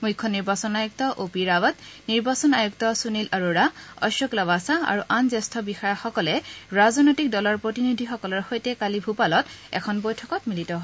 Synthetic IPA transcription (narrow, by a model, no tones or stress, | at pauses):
mujkʰːɔniɹbasɔnajuk̚tɔʔopiɹawatniɹbasɔnajuk̚tɔsunilʔaɹuɹaɔ̰sɔklabasaa̰ɹuʔanzɛstʰɔbixaɹaxɔkɔlɛɹazɔnojtik̚dɔlɔɹpɹotinid̪ʱixɔkɔlɔɹxojtɛkalibʱupalɔtɛ̰kʰɔnbojtʰɔkɔtmilitɔɦɔ